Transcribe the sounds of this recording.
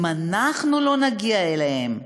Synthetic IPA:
manaχnulo̞naɡiaelehem

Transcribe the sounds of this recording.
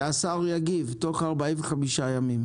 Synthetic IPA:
asaʁujaɡivt̪oχaʁbaiveχamiʃajamim

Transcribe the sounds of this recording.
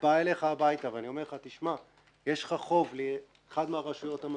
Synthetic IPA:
baele̞χaːbajtaveanio̞me̞ʁχat̪iʃma | jeʃχaχo̞vli | eχad̪meaʁaʃujo̞tam

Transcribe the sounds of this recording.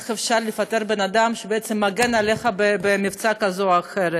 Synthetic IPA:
χefʃaɾlefat̪eɾbenad̪amʃebeɛt͡semːaɡenaleχabebemivt͡sakazoaχeɾe

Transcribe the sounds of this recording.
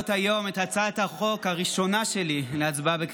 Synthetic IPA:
t̪hajo̞met̪hat͡sat̪haχo̞khaʁiʃo̞naʃe̞lileat͡sbabek

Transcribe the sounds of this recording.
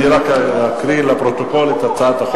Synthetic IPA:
iɾakakɾilapɾot̪okolet̪at͡saat̪aχ

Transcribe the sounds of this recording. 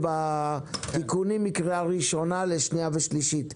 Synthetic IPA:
ba | t̪ikunimːikʁiaʁiʃo̞naleʃniaveʃliʃit

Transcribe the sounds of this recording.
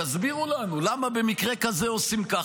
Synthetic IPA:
azbiʁulanulamabe̞mikʁe̞kazeo̞simka

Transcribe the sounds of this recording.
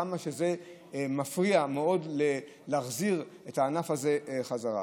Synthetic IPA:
amaʃeze̞ | mafʁiameo̞dle | laχziʁetaːnafaze̞χazaʁa̰

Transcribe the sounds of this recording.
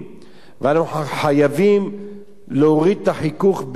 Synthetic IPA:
veanuħajavim | leoʁid̪̚t̪aħikuχb

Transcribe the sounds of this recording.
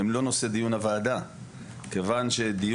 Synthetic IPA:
emlo̞no̞sed̪ijunavaːd̪a | ke̞vanʃe̞d̪ij

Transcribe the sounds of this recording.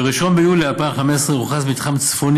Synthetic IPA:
eʁiʃonbejulialpaːmχamessʁeʁuχasmit̪χamt͡sfon

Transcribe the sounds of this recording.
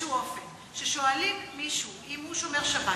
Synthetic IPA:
uofen | ʃeʃo̞alimːiʃuʔimhuʃo̞me̞ʁʃava

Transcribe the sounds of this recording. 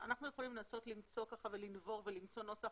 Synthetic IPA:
a̰naχnujeχolimlenasotlimt͡so̞kaχavelinvo̞ʁvelimt͡so̞no̞saχ

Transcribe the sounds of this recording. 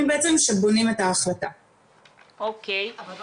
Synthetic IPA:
mbeʔet͡semʃebonimet̪haːχlat̪a̰ | ok

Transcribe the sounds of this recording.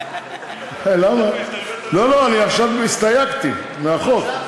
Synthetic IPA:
lama | lo̞loaniaχʃavist̪ajakt̪i | meaχok

